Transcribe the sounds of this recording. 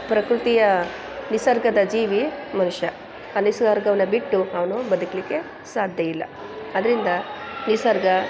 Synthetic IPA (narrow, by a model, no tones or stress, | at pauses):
pɾɐkɾut̪ijɐ | nisɐɾɡʱɐd̪ɐd͡ʒiːʋimɐnuʂɐ | ɐnisɐɾɡɐʋɐnɐbiʈːuɐʋɐnubɐd̪ukɐlikːe̞ | saːd̪ʱjɐjilːɐ̰ | ɐd̪ɐɾind̪ɐnisɐɾɡɐ